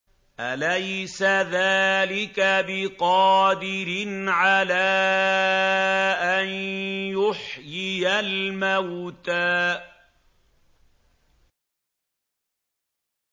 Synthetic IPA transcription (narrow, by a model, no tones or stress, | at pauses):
ʔalajsaðaːlɪkabɪqɑːd̪ɪɾɪnʕalaː | ʔanjʊħjɪjalmawt̪aː